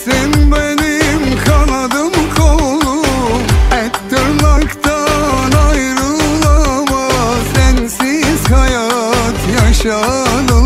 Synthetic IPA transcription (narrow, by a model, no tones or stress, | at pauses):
sɛnbenimkʰanad̪ɯmkʰolˠu | ɛtt̪ːɯɾmakt̪ʰanajɾɯlˠamasɛnsiz̥hajat̪ʰjaʃa | d̪ɯ